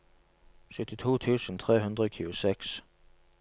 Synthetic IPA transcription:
ʃʉt̪ɪt̪ʰuːt̪ʰʉːsən̩t̪ʰʁeːɦʉnd̪ʁəoːkʰʉːʊsɛks

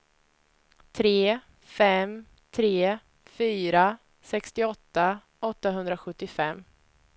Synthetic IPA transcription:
t̪ʰɾeː | fɛm | t̪ʰɾeː | fyːɾa | sɛkst̪ɪɔt̪ːa | ɔt̪ːaɦɵnd̪ɾaɧɵt̪ːɪfɛmː

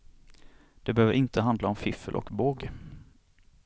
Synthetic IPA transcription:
d̪̥ɛbəhøːvəɾʔɪnt̪əɦand̪laɔmfɪfəlʔɔ̰kboːɡ

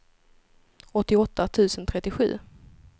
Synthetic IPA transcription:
ɔt̪ːɪɔt̪ːat̪ʰʉ̟ːsənt̪ʰɾɛt̪ːɪɧʉ̟̰ː

